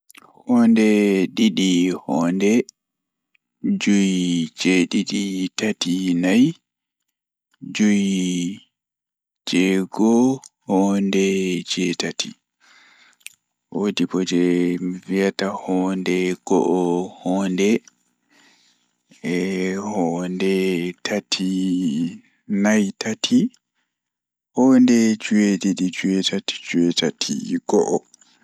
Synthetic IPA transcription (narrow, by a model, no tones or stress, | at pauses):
hɔndɛɗiɗihɔːndɛ | d͡ʒuid͡ʒɛɗiɗitatinaj | d͡ʒuji | d͡ʒɛɡɔhɔndɛd͡ʒɛtati | wodibɔd͡ʒɛviatahɔːndɛɡ̥ɔʔɔhɔːndɛ | hɔndɛtʰatʰi | najtʰatʰi | hɔːndɛd͡ʒuwedidid͡ʒuɛtʰati̥d͡ʒuɛtatʰḭɡ̥ɔʔɔ